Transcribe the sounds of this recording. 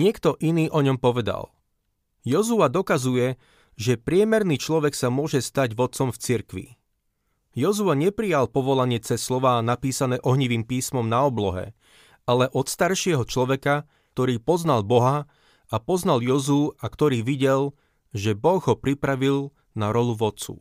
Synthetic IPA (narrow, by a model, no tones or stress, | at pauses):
ɲɪɛkt̪ɔʔiniːʔɔɲɔmpɔʋɛd̪a̰l | jɔzuad̪ɔkazujɛ | ʒɛpɾɪɛmɛɾniːt͡ʃlɔʋɛksamʊɔʒɛst̪aɟʋɔt̪̚t͡sɔmft͡siɾkʋḭ | jɔzuaɲɛpɾijalpɔʋɔlaɲɪɛt͡sɛsːlɔʋaːnapiːsanɛːʔɔɦɲiʋiːmpiːsmɔmnaɔblɔɦɛ̰ | alɛʔɔt̪st̪aɾʃɪɛɦɔt͡ʃlɔʋɛka | kt̪ɔɾiːpɔznalbɔɦa | apɔznaljɔzuːakt̪ɔɾiːʋiɟɛl | ʒɛbɔɣɦɔpɾipɾaʋil | naɾɔluʋɔt͡sṵː